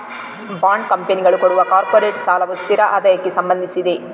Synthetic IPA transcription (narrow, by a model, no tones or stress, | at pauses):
baːɳɖkɐmpeniɡɐɭukoɽuʋɐkaːɾpoːɾeːʈsaːlɐʋust̪iɾɐʔaːd̪ɐjɐkːesɐmbɐnd̪ʱisid̪e̞